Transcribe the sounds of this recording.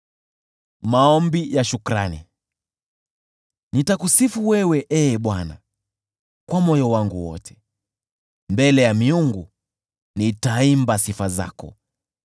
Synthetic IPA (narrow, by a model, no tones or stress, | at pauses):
maɔmbijaʃukɾa̰nḭ | nitakusifuwɛwɛʔɛɓwana̰ | kwamɔjɔwaŋɡuwɔ̰tʰɛ̥ | mbɛlɛjamiuŋɡu | nitaimbasifaza̰kɔ̰